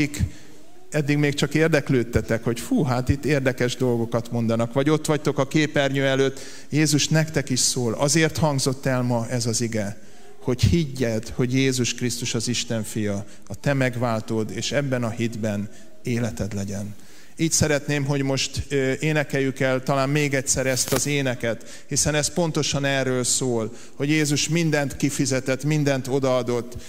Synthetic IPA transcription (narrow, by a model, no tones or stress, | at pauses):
ik | ɛd̪ːiɡmeːkt͡ʃɒkeːrd̪ɛkløːt̪ːɛt̪ɛkho̞cfuːɦaːt̪it̪ːeːrd̪ɛkɛʒd̪o̞lɡokɒt̪mo̞n̪d̪ɒnɒkʋɒɟo̞t̪ːʋɒc̚t̪o̞kɒkeːpɛrɲøːɛløːt̪ː | jeːzuʃnɛkt̪ɛkiʃsoːlɒzeːrt̪hɒŋɡzo̞t̪ːɛlmɒʔɛzɒziɡɛ | ho̞chiɟːɛt̪ho̞ɟjeːzuʃkrist̪uʃɒziʃt̪ɛɱfijɒ | ɒt̪ɛmɛɡʋaːlt̪oːd̪eːʃɛbːɛnɒɦid̪bɛn | eːlɛt̪ɛd̪lɛɟɛn | iːcsɛɾɛt̪neːmɦo̞ɟmo̞ʃt̪eːnɛkɛjykɛlt̪ɒlaːmmeːɡɛtsɛɾɛst̪ɒzeːnɛkɛt̪ | hisɛnɛspo̞nt̪o̞ʃɒnɛːrːøːlsoːl | hoɟjeːzuʃmind̪ɛnt̪kifizɛt̪ɛt̪ːmind̪ɛnt̪o̞d̪ɒɒd̪o̞t̪ː